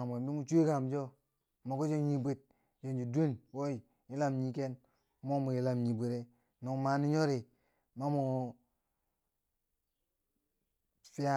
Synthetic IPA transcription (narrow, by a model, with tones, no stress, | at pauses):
a˨m˨we˨mdu˦mu˨t͡ʃu˦i˦ka˨md͡ʒo˦ | ma˨ku˦d͡ʒe˦ɲi˨bi˨t̚ | je˨nd͡ʒi˨du˦nwo˦i˨ | ji˦la˦mɲi˨ke˦n˦ | mo˦mu˨ji˨la˨mɲi˨bu˨ɾe˦ | no˨ŋma˨˦ni˦ɲo˦ɾi˨ | ma˦mo˨ | fi˦a˦